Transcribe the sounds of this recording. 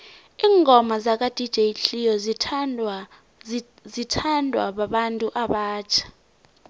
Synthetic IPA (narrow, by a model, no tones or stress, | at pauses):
iːŋʱɔmazak̬ʼad̥ʱid̥ʒ̥ʱeɬijɔz | zitʰandʱwa̰ɓaɓantʼuʔaɓaːt͡ʃʰḁ